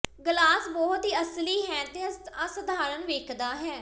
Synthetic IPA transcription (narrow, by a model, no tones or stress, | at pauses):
ɡəlaːsbɔːɦʊt̪ɦiːəsliːɦɛːt̪ẽasəd̪ʱaːɾənʋeːkʰd̪aːɦɛː